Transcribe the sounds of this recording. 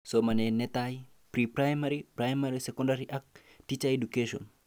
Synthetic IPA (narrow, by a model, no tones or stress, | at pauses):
sɔmanenet̪aj | pɾipɾajmaɾipɾajmaɾisekɔnɖaɾiʔak̚ | ʈit͡ʃaedukeʃɔ̰n